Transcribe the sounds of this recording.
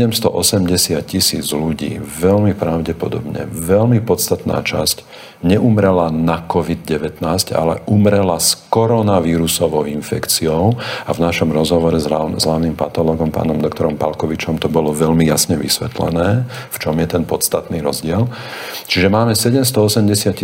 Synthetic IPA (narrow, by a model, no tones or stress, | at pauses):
ɛmst̪ɔ̰ʔɔsɛmɟɛsɪat̪̚cisḭːd͡zluɟḭːʋɛlmipɾaʊɟɛpɔ̰d̪ɔ̰bɲɛ̰ʋɛlmipɔt̪t͡sst̪at̪na̰ːt͡ʃa̰sc | ɲɛʔumɾɛlanakɔʋid̪ɟɛʋɛt̪naːsca̰lɛ̰ʔumɾɛlaskɔɾɔnaʋiːɾusɔʋɔʊinfɛkt͡siɔʊavnaʃɔmɾɔzɦɔʋɔɾɛzazɦlaːʋnimpat̪ɔlɔːɡɔmpa̰ːnɔmd̪ɔkt̪ɔɾɔmpa̰lkɔʋit͡ʃɔmt̪ɔbɔlɔʋɛʎmijasɲɛʋḭsʋɛ̰t̪lɛ̰nɛːft͡ʃɔmjɛt̪ɛnpɔt̪st̪at̪niːɾɔzɟɪɛlt͡ʃiʒɛmaːmɛsɛɟɛmst̪ɔɔsɛmɟɛsɪat̪i